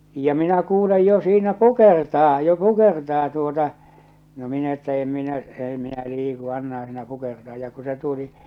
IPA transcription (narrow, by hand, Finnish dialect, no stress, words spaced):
jɑ minæ kuːlej jo siːnæ kukertɑː jo kukertɑː tuotɑ no min etːæ em minæ ei minæ liːku ɑnːɑhɑ̃ː siːnæ kukertɑː jɑ ku se tuli